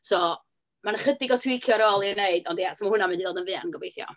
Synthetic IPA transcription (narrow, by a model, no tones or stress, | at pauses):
sɔ | manəχədɪɡɔtʰuɪkʰjɔɾɔːlˠiɛneɨd̥ɔndjɛsɔmahʊnamɨndiðoːdənvɨːa̰nɡɔbejθjɔ̰